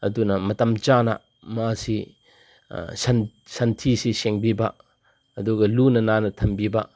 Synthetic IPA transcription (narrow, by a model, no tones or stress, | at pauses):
ɐdunɐmɐtɐmt͡ʃanɐ̰ | masi | sɐn | sɐntʰisiseŋbibɐ | ɐduɡɐlunɐnanɐtʰɐmbibɐ